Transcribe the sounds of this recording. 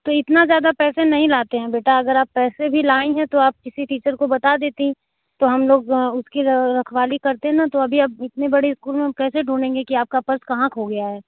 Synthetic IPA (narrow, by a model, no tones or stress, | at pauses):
t̪oɪt̪nazjaːd̪apɛːsenɐɦĩlaːt̪eɦɛ̃beːʈʰaɐɡəɾaːpːɛːsebʱilaːĩɦɛ̃t̪oaːp̚kɪsiʈiːt͡ʃəɾkobɐt̪ad̪eːt̪eɦĩ | t̪oɦɐmloːɡʊskiɾɐkʰʋaːlikɐɾt̪eɦɛ̃nat̪oɐbʱiɐbɪt̪nebɐɽeɪskuːlmẽkɛːseɖʱuːɽẽːŋɡekiaːp̚kapɐɾskɐɦãkɦoɡɐjaɦɛː